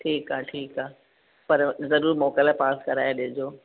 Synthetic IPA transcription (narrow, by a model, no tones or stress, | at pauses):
ʈʰiːkaːʈʰiːkaː | pɐɾzɐɾuːɾmɔːkalapaːskɐɾaːjaɗɪɦʊ̃d͡ʑoː